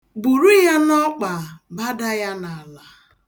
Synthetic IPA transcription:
bu˨ɾu˦ja˦nɔ˦k͡pa˨ba˦da˦ja˦na˨a˨la˨

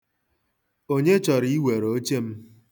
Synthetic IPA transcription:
o˦ɲe˦t͡ʃɔ˨ɾi˦i˦we˨ɾo˨o˦t͡ʃe˦m̩˦

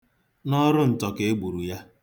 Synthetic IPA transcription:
nɔ˦ɾʊ˦n̩˨tɔ˨ke˨e˦ɡ͡bu˨ɾu˨ja˦

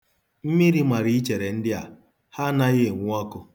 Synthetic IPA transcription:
m̩˦mi˦ɾi˦ma˨ɾi˦i˦t͡ʃe˨ɾe˨n̩˦dɪ˦a̰˨ | ha˦na˦ɣɪ˦e˨ŋʷʊ˦ɔ˦kʊ˦

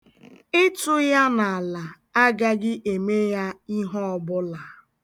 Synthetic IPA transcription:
ɪ˦tʊ˦ja˦na˨a˨la˨ | a˦ɡa˦ɡɪ˦ʔe˨me˦ja˦i˦ɦɔ˦ɔ˦bʊ˦la˨

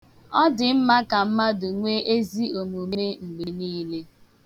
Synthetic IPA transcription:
ɔ˦dɪ˨m̩˦ma˦ka˨m̩˦ma˦dʊ˨ŋʷe˦e˦zi˦o˨mo˨m˦e˦ŋ͡m̩˨ɡ͡be˨niː˦le˦

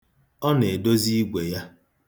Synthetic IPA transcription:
ɔ˦ne˨do˦zi˦ɡʷe˨ja˦

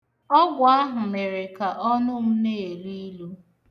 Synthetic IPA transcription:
ɔ˦ɡʷʊ˨a˦ɦʊ˨me˨ɾe˨ka˨ʔɔ˦nʊ˦m̩˦ne˦˨e˨li˦lu˦

